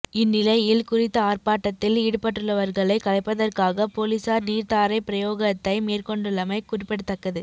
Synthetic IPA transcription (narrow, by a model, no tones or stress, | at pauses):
ɪnːɪlɐɪjɪlkʊrɪt̪ːɐaːrpaːʈːɐt̪ːɪliːɽɯpɐʈːɯɭːɐʋɐɾɣɐɭɐɪkɐlɐɪpːɐðɐrkaːɣɐpoːlisaːɾniːɾt̪aːɾɐɪpɪɾɐjoːɣɐt̪ːɐɪmeːrkɔɳɖɯɭːɐmɐɪkʊrɪpːɛɽɯt̪ːɐkːɐðɯ